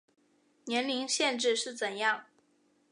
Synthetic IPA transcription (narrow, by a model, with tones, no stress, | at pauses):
njɛ˧˥nli˧˥ŋɕjɛ˥˧nʈ͡ʂɻ̩˥˧ʂɻ̩˥˩t͡sə˨˩njɑ˥˩ŋ